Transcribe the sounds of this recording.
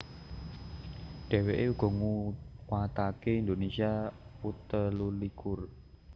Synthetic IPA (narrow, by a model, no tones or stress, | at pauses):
ɖ̥e̤weʔeuɡ̥ɔ̤ŋuwat̪akeind̪onesiaput̪əlulikʊr